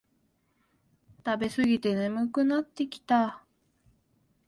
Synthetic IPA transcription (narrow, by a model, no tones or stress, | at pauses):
t̪abe̞sɨɡʲit̪e̞nemɯ̟kɯ̟nat̪ːe̞kʲi̥t̪a